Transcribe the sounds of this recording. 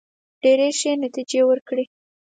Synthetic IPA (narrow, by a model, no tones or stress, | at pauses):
ɖeɾeʃenat̪id͡ʒewəɾkɽi